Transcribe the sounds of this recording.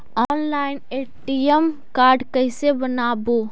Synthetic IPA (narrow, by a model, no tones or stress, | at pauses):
ɔːnlaɪneʈijemkaːɾɖkəɪsebənaːbo